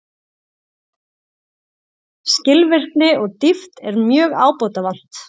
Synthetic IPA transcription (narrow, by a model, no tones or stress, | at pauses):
scɪlvɪr̥knɪʔɔɣt̪ift̪ɛɾmjœːɣaːwpowt̪avan̥t̪